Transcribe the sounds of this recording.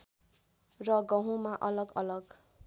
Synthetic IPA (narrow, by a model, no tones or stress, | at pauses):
rʌɡʌɦũmaʔʌlʌɡʌlʌɡ